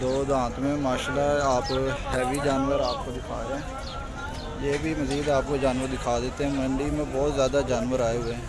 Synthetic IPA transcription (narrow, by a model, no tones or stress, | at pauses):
d̪oːd̪ãːt̪mẽmaːʃlaːaːphɛːʋiːd͡ʒaːnʋəɾaːp̚kod̪ɪkʰaːɾɛ̃ː | jeːbʱiməziːd̪aːp̚koːd͡ʒaːnʋəɾd̪ɪkʰaːd̪eːt̪eɦɛ̃ːməɳɖiːmẽbɔːt̪zjaːd̪aːd͡ʒaːnʋəɾaːeɦʊeɦɛ̃ː